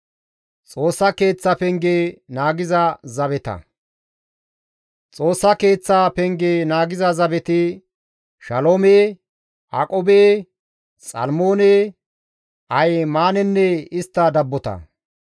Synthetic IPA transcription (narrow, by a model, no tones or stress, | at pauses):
t͡sʼo̞ːsːɐke̞ːt͡sːɐpɛŋɡeːnaːɡɪzɐzɐβɛt̪ɐ̰ | t͡sʼo̞ːsːɐke̞ːt͡sːaːpɛŋɡeːnaːɡɪzɐzɐbɛt̪ɪ | ʃɐloːmeː | ʔakʼobeː | sʼɐ̰lmoːneː | ʔɐjmaːnɛnːɛɪst̪ːɐd̪ɐbːɔt̪ɐ̰